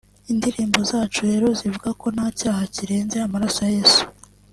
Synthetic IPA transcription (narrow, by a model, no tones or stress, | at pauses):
indiɾiːmbo̞zaːt͡ʃuɾe̞ːɾo̞zivuɡako̞naːcaːhaciɾeːnze̞amaɾasaje̞ːsu̥